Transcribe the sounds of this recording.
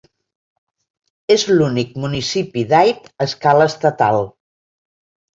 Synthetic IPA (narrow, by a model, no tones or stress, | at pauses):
ezlunik̚munisipiðajpəskaləːst̪ət̪a̰lˠ